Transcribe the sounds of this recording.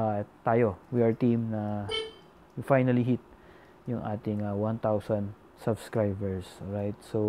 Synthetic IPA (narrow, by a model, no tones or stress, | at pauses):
at̪aːjowiʔɐɹt̪ĩmnɐ | jfajnɐliɦit̪̚ | jʊŋʔa̰ːt̪ɪŋawãnt̪awsãnd̪ | sɐbskɹajbɛɹsɹajt̪̚so